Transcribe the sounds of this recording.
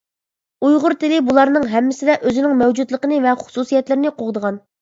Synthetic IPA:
ujʁʊɾt̪ɪlɪbulˠɑɾnɨŋɦɛmːɪsɪd̪ɛʔøzɪnɪŋmɛwd͡ʒud̪lˠəqənɨvɛχʊ̥susijɛt̪lɪɾɪnɪqʰoʁd̪əʁɑn

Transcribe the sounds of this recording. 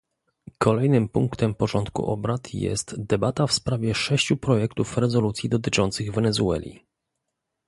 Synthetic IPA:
kʰɔlɛjnɘmpuŋkt̪ɛmpɔʐɔnt̪kṵʔɔ̰bɾat̪ʰjɛ̰st̪d̪ɛbat̪afspɾavʲjɛʂɛɕt͡ɕupɾɔjɛkt̪ufɾɛzɔlut̪sʲjid̪ɔt̪ɘt͡ʂɔnt̪sɘɣvɛnɛzuɛ̰lʲḭ

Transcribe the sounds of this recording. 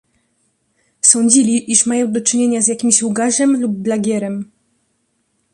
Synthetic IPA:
sɔɲd͡ʑilʲiʔiʂmajɔ̃w̃d̪ɔt͡ʂɘɲeɲazʲjakʲimʲiɕluɡaʐɛmlub̚ːlaɡʲɛɾɛm

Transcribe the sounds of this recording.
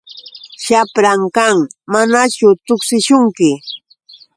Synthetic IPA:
ʃapɾaŋkaŋmanat͡ʃʊt̪ʊksɪʃʊŋkɪ

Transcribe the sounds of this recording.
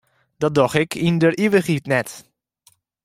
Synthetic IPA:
d̥ɔt̚dɔxɪkʰindərʔiʋəχitnɛt

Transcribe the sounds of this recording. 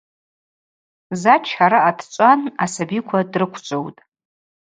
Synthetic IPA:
zat͡ʃʰħaɾaatʰt͡ʃʷʼanasabikʷʰadrɨkʷʰt͡ʃʷʼowtʼ

